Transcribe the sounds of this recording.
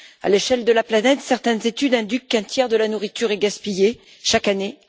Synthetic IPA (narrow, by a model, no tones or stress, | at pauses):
a̰leʃɛld̪əlaplanɛt̪sɛʁt̪ɛnzet̪yd̪ɛ̃d̪ykːɛ̃t̪jɛʁd̪əlanuʁit̪yʁɛɡaspije | ʃakane